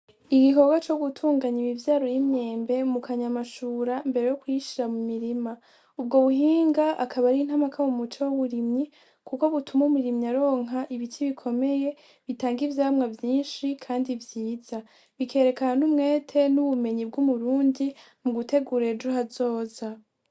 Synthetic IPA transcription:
iɡiɦo̞ɡat͡ʃo̞ɡutʰuːŋɡaɲiβivjaːɾojimɲe̞ːmbe̞mukʰaɲamaʃuːɾambe̞ɾe̞jokwiʃiɾamumiɾima | ub̚ɡo̞βuɦiːŋɡaʔakʰaβaɾin̥hamakʰawumut͡ʃowoβuɾimɲi | kʰuko̞βutʰumumuɾimɲaɾo̞ːŋɦaʔiβitʰiβikʰo̞me̞je̞ | βitaːŋɡivjaːmŋavjiːnʃikʰaːndivjiːz̥a | βikʰe̞ːɾe̞kananumŋe̞ːtʰe̞nuβume̞ɲibɡumuɾuːndi | muɡute̞ɡuɾed͡ʒuɦazo̞ːza

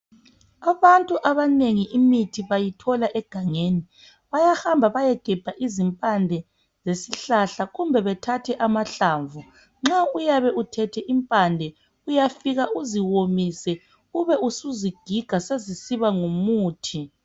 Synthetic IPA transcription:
aβantʼuʔaβaneŋiʔimitʰiβajitʰɔlaʔɛɡ̥ʱaŋeni | βajahambʱaβajɛɡ̥ʱɛb̥ʱaʔizimpʼandʱɛ | zesiɬaɬaɣumbʱɛβɛtʰatʰɛʔamaɬaːɱvu | ŋ͡ǁaujaβɛutʰɛtʰɛʔimpʼandʱɛ | ujafiɣauziwomisɛ | uβɛusuziɡ̥ʱiɡ̥ʱasezisiβaŋumuːtʰi

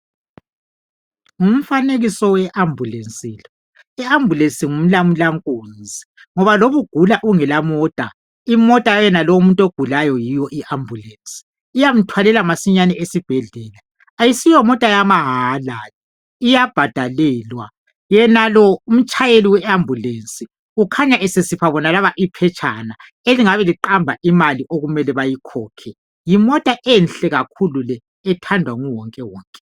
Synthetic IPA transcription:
um̩faneɣisɔwɛʔambʱulent͡sʼiːlɔ | iambʱulensʼiŋum̩lamulaŋkʼoːnd͡zʱi | ŋɔβaloβuɡ̥ʱulaʔuŋɛlamɔtʼa̰ | imɔtʼajɛnalɔumuntʼoɡ̥ʱulajɔjijɔʔiʔambʱulent͡sʼi̥ː | jam̩tʰwalɛlamasiɲanɛʔesib̥ʱɛɮɛːla | ajisijɔmɔtʼajamaɦalal | ijab̥ʱad̥ʱalɛːlwa | jɛnalɔum̩t͡ʃʼʰajeliwɛambʱulensʼi | ukʰaɲaʔesesipʰaβɔnalaβaʔipʰɛt͡ʃʰʼana | eliŋaβɛliǃambʱaʔimaliʔoɣumɛlɛβajikʰɔːkʰɛ | jimɔtʼaʔenɬɛɣakʰululɛː | tʰandʱwaŋuwɔŋkʼɛwɔːŋkʼɛ̥

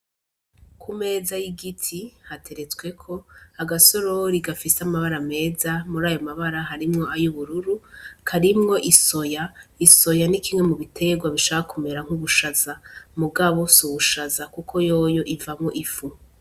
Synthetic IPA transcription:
kʰume̞ːzajiɡitʰihatʰe̞ɾe̞t͡skwe̞kʰo̞aɡaso̞ɾoɾiɡafiseamaβaɾame̞ːzamuɾaːjo̞maβaɾaɦaɾimŋo̞ajuβuɾuɾukʰaɾimŋo̞ʔiso̞jaiso̞janikimŋe̞muβitʰeɡwaβiʃahakume̞ɾaŋ̥huβuʃazamuɡaβo̞suβuʃazakukʰo̞jo̞ːjo̞ʔivamŋo̞ʔifu

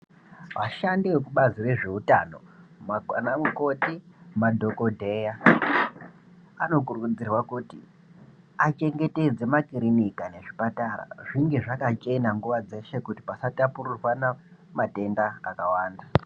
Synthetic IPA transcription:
ʋaʃandiwe̞kuɓazire̞ʐe̞utano̞̰manamuko̞timadʱo̞ko̞dʱe̞ja | ano̞kurukud͡zirwakutḭ | at͡ʃe̞ŋɡe̞te̞d͡ze̞makiɾinikane̞ʐipatara̰ʐiŋɡe̞ʐakat͡ʃe̞naŋɡuʋad͡ze̞ʃe̞kuti̥pasatapururwanamate̞ndaːkawaːnda

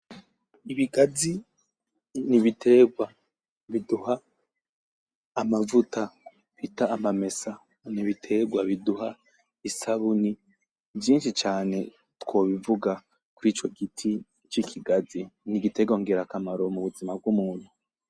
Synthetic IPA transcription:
iβiɡazi | niβitʰe̞ːɡwa | βiduha | mavuta | βitaːmame̞sa | niβitʰe̞ɡwaβiduɦa | isaβuni | vjiːnʃit͡ʃaːne̞ | tko̞ːβivuɡa | kuɾiːt͡ʃo̞ɡitʰi | t͡ʃikʰiɡaziniɡite̞ɡoŋɡeɾakamaɾo̞muβuzimab̚ɡumuːn̥hu

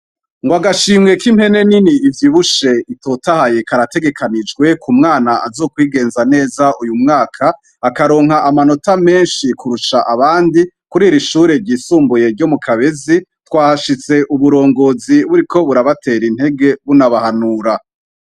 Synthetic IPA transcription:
ŋɡwaɡaʃiːmŋe̞kim̥he̞ne̞niniːvjiβuʃe̞ito̞tahaje̞kaɾate̞ɡe̞kʰanid͡ʒɡwe̞kumŋaːnaʔazo̞ːkwiːɡe̞ːnzane̞ːzaʔujumŋaːkʰaː | kaɾo̞ːŋhaʔamano̞tame̞ːnʃikuɾuʃaʔaβaːndi | kuɾiːɾiʃuːɾe̞ɾɟiːsuːmbuje̞ɾɟo̞mukʰaβe̞zitwaːʃit͡se̞ʔuβuɾo̞ːŋɡo̞ːziβuɾiko̞βuɾaβate̞ɾin̥he̞ɡe̞βunaβahanuːɾa

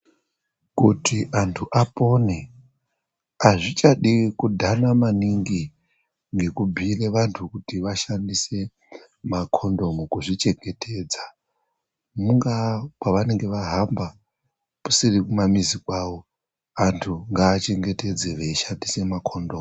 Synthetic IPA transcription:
kutʰiʔantʰuʔapo̞ne | aʐit͡ʃaɗikudʱanamaniŋɡi | ŋɡe̞kubʱireʋantʰukutiʋaʃandise̞ | makʰo̞ndo̞mukuʐit͡ʃe̞ŋɡe̞tʰe̞ːd͡za | muŋɡakwaʋane̞ŋɡe̞ʋaɦamba | pu̥sirikumamizikwawo̞ | antʰuŋɡaːt͡ʃe̞ŋɡe̞te̞d͡zeʋeiʃandise̞makʰondoːm

